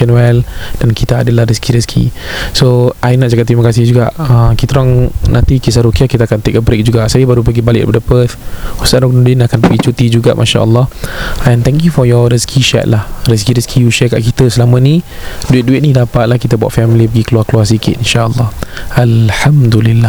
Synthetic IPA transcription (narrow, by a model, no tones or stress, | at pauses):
ənwɛld̥ankit̪əadəlahɾiskʰiɾiskʰḭsoajnaʔ̚d͡ʒakat̪ːɾimakasɪhd͡ʒuɡa̰ʔəmkit̪ɾaŋnãnt̪ikis̬aɾukiakit̪aakant̪ekəbɾek̚d͡ʒuɡaʔsajəbaɾupəɡibalɪk̚padəpət̪hust̪anɔk̚nũdinakanpəɡit͡ʃut̪id͡ʒuɡa̰ʔmʔaʃa̰ʔə̰lːɔhʔɛ̃nt̪ɛŋkjufɔjɔɾiskʰiʃɛ̰t̪̚lahriskiɾəskʰijuʃɛka̰ʔkit̪əsəlamə̃nĩduɪt̪̚duɪt̪̚nidapat̪̚lahkit̪əbua̰t̪fɛmilipəɡikəluarkəluars̬ikɪt̪inʃaəlːɔhalħamd̪ulilːah